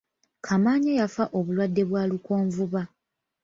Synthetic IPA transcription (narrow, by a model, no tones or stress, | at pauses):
kʰamaːɲejafaʔo̞βulwadːe̞βwaːluko̞ːɱvuβa